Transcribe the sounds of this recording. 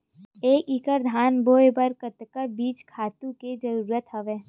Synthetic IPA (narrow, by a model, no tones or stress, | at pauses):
eːkiːkəɾd̪ʱaːnboːjebəɾkət̪kəbiːt͡ʃkʰaːt̪ũked͡ʒəɾuːɾət̪ɦɐʋeː